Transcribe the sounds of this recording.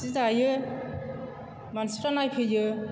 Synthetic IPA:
sizajɯ | mansip̚tanajpʰɯjɯ

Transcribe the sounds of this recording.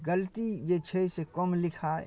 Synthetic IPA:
ɡəlt̪id͡ʒet͡ʃʰesekɔmlɪkʰa

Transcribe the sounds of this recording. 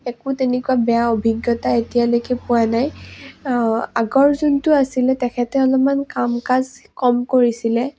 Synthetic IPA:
ɛkʊtenɛkuwabɛjaobʱiɡjɔtaetijalojkɛpʊanaj | aɡɔɹzuntʊasilɛtɛkʰɛtɛɔlɔmankamkazkɔmkoɹisilɛ

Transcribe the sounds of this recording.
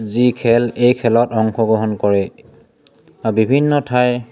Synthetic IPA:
zikʰɛlejkʰɛlɔtɔŋkʰɔɡɹɔɦɔnkɔɹɛ | abibʱinːɔtʰaj

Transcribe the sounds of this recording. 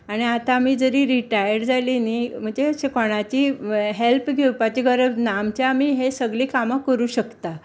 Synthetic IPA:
aɽ̃iat̪aːmiːd͡zəɾiːɾiʈajəɾd͡zalinim̤əɳd͡ʑeɕekɔɽ̃at͡ɕiːɦelpɡʱewpat͡ɕiɡʱəɾəbnamt͡ɕjaːmiːɦesəɡɭiːkamakəɾuːɕəkt̪a

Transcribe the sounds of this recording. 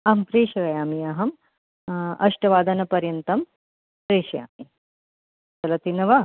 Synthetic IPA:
ɐmpɾeːʃɐʋɐjaːmiɐɦɐm | ɐ̰ʂʈɐʋaːd̪ɐnɐpɐɾjɐnt̪ɐm | pɾeːʃɐja̰ːmi | t͡sɐlɐt̪inɐʋɐ

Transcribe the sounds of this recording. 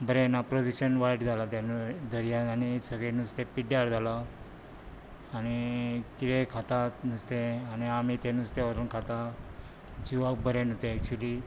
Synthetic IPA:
bəɾenapɾod͡ʑiɕənʋajʈd͡zʱalat̪jand̪əɾijaanisəɡɭẽnust̪epiɖjaɽd͡zʱala | nikiɾekʰat̪anust̪ẽaniamit̪enust̪eəɾunkʰat̪a | d͡ʑiʋak̚bəɾenut̪ẽːk̚t͡ɕuli

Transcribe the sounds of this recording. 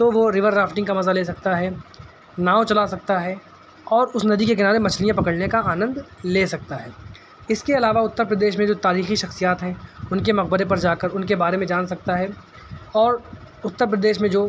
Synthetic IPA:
t̪oʋoɾɪʋəɾɾaːfʈɪ̃ŋɡkamɐzaleːsɐk̚t̪aɦɛː | naːot͡ʃɐlasɐk̚t̪aɦɛ | ɔːɾʊsnɐd̪ikekɪnaːɾemɐt͡ʃʰlijãpɐkəɽnekaaːnə̃nd̪leːsɐk̚t̪aɦɛː | ɪskeɐlaːʋaʊt̪ːəɾpɾɐd̪eːʃmẽd͡ʒoːt̪aːɾiːxiʃɐxsijaːt̪ɦɛ̃ʊnkemɐq̚bəɾepɐɾd͡ʒaːkəɾʊnkebaːɾemẽd͡ʒaːnsɐk̚t̪aɦɛ | ɔːɾ | ʊt̪ːəɾpɾɐd̪eːʃmẽd͡ʒoː

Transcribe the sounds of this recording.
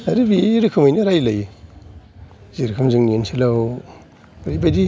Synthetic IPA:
aɾibiɾɯkʰɯmajnɯɾajlaj | ziɾɯkʰɯmzɯŋniensʰilaw | aɾibadi

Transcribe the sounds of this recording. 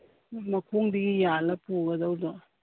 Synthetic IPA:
mɐkʰoŋdiɡijalɐpuɡɐdawdo

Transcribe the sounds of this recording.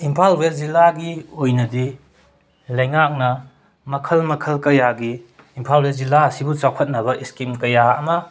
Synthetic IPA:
impʰalwelzilːaɡiojnɐdi | lɐjŋak̚nɐ | mɐkʰɐlmɐkʰɐlkɐjaɡiː | mpʰalwelzilːasibut͡ʃawkʰɐt̚nɐbɐʔiskimkɐjaɐmɐ

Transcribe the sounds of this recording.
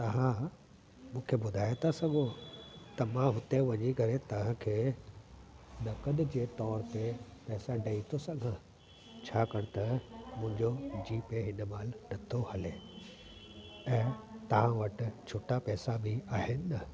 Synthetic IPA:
t̪ɐɦã | mũːkʰebʊd̪ʱaːjet̪ʰasɐɡʱot̪ɐmãɦʊt̪eʋɐɲiɡʱɐɾet̪ɐʋ̤ãkʰeː | nɐkəɗd͡ʑeːt̪ɔːɾt̪epɛːsaɖɐit̪ʰosɐ̃ɡʱã | t͡ɕʰaːkɐɽ̃t̪ɐmʊ̃ɦɪ̃ɲd͡ʑod͡ʑiːpeɦɪnmaːlnɐt̪ʰohɐle | ɛ̃ːt̪ɐʋ̤ãʋɐʈɪ̆t͡ɕʰoːʈapɛːsabʱiaːɦɪnɪ̆ɐ

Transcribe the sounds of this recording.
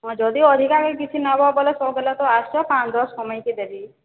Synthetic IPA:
ɔd͡ʒɔd̪iɔd̪ʱikakekit͡ʃʰinabɔbɔlesɔbelat̪ɔasɔpãt͡ʃd̪ɔsɔmɔjk̪id̪ebi

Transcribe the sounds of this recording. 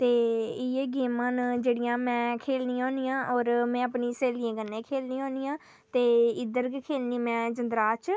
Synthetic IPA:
t̪eːieɡeːmaːnd͡ʒeːɽɪjãːmɛ̃ːkʰeːlnijɦõːnijãːʔɔːɾmɛ̃ːəpniːseːlɪjẽːkənːẽːkʰeːlniːõːnijãː | t̪eːɪd̪əɾkʰeːlniːmɛ̃ːd͡ʒənd̪ɾaːt͡ʃ

